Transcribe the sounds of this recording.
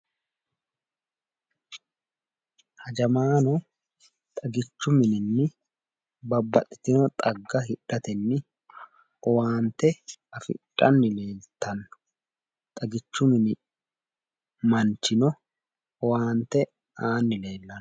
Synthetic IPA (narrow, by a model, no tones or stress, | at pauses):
hɐd͡ʒɐmaːnɔ | t̪ʼɐɡɪt͡ʃːʊmɪnɪnːɪ | bɐbːɐt̪ʼːɪ̥t̪ɪnɔt̪ʼɐɡːɐɦɪᶑːɐt̪ɛnːɪ | ɔwaːnt̪ɛɐfɪ̰ᶑːɐnːɪle̞ːlt̪ɐnːʊ̥ | t̪ʼɐɡɪt͡ʃːʊmɪnɪ | mɐnt͡ʃɪnɔ | ɔwaːnt̪ɛ | aːnːɪle̞ːlːɐn